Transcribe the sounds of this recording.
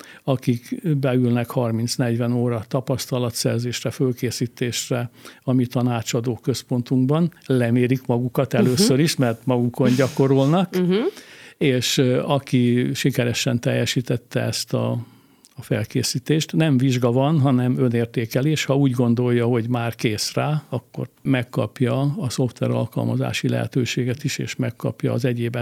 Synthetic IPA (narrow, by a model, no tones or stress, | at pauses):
ɒkikbɛylnɛkhɒrmint̪snɛɟʋɛnoːɾɒt̪ɒpɒst̪ɒlɒt̪sɛrzeːʃrɛfølkeːsiːt̪eːʃrɛɒmit̪ɒnaːt͡ʃɒd̪oːkø̞spo̞nt̪uŋɡbɒnlɛmeːɾikmɒɡukɒt̪ɛløːsːøɾiʃmɛrt̪mɒɡuko̞nɟɒko̞ɾolnɒk | eːʃɒkiʃikɛɾɛʃɛnt̪ɛjːɛʃiːt̪ɛt̪ːɛɛst̪ɒ̰ː | fɛlkeːsiːt̪eːʃt̪nɛɱviʒɡɒvɒnɦɒnɛmø̞neːrt̪eːkɛleʃhɒuːɟɡo̞nd̪o̞jːɒɦo̞ɟmaːrkeːsraːɒkːo̞̰rmɛkːɒpjɒɒso̞ft̪ʋɛ̰ɾɒ̰lkɒ̰lmɒza̰ːʃilɛ̰ɦɛ̰t̪øːʃeːɡɛt̪iʃḛːʃmɛkːɒ̰pjɒːzɛɟeːbɛ